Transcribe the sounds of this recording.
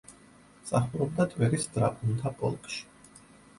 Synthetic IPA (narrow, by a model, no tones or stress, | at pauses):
sʼaχɾɔb̚d̪at̪ʼwɛɾisd̪ɾapʼunt̪ʰapʼɔ̰lˠkʼʃi̥